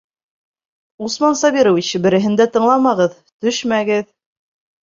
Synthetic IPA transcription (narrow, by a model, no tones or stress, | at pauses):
usmɑnsɑβiɾowit͡ɕɘbɘ̆ɾɘ̆ɦɘ̆nd̪æt̪ɤ̆ɴlˠɑmɑʁɤð | t̪ɵʃmæɡɘð